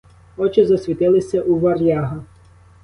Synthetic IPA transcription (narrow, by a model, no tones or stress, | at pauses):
ɔt͡ʃɪzɐsʲʋʲit̪ɪlˠɪsʲɐʔuʋɐrjʲaɦɐ